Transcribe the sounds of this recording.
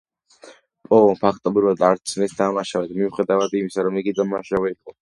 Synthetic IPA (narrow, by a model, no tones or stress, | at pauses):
pʼɔvɔnpʰakʰt̪ʼɔbɾivad̪aɾt̪sʰnɛsd̪amaʃavɛd̪miuχɛd̪avad̪imisaɾɔmiɡid̪ammaʃavɛiqʼɔ